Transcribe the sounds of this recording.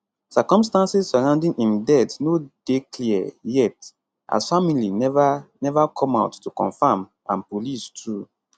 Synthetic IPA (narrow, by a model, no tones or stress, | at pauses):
sakɔ̃mstãnsizsaɹãʊ̃ndĩŋĩndɛtnod̥eklijɛt | ʔa̰zfamilivnɛvakʰɔ̃maʊtːukɔ̰̃nfam | ã̰npolistʰɹu